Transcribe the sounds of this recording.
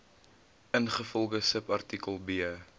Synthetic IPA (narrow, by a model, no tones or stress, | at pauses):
ʔənχəfɔlˠɡəsəpɐrtikəlˠbiə